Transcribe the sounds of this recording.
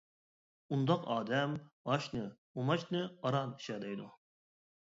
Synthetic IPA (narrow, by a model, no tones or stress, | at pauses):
und̪ɑqɑ̰ːd̪ɛmɑʃnɨ | umɑt͡ʃnɨɑɾɑni̥ʃɛd̪ɛjd̪u